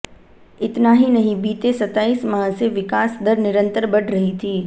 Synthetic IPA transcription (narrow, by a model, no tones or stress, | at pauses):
ɪt̪naːɦinɐɦĩbiːt̪esɐt̪aːiːsmaɦseʋɪkaːsd̪əɾnɪɾə̃nt̪əɾbɐʈʰɾɐɦit̪ʰiː